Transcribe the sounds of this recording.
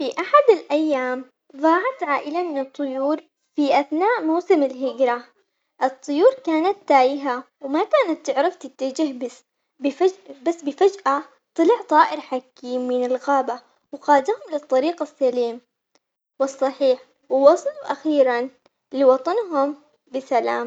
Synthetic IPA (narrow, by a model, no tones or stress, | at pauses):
fiʔaħad̪alʔajːaːm | ðˤɑːʕɑt̪ʕaːʔɪlamɪnɨt̪ˤːʊjuːɾ | fiʔaθnaːʔmawsɪmɪlɦɪɡɾa | ʔɨt̪ˤːʊjuːɾkaːnat̪ːaːjɪɦawmakaːnat̪ːɪʕɾɪft̪ɪt̪ːad͡ʒɪɦbɪs | bɪfabasːbɪfad͡ʒʔa | t̪ˤɨlɪʕt̪ˤɑːʔɪɾħakiːmːɪnɪlɣaːba | wɣaːd̪ahʊmlɪt̪ˤːɑɾiːqasːaliːm | wɨsˤːɑħiːħ | wwɑsˤɑluʔaxiːɾan | lɪwɑt̪ˤɑnɦʊm | bɪsalaːm